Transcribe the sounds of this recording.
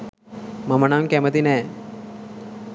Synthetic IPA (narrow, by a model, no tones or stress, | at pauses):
mɐmɐnaːmkemɐt̪ineː